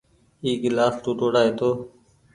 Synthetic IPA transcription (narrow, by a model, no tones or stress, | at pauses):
iːɡɪlaːsʈuːʈoːɽaːɦeːt̪oː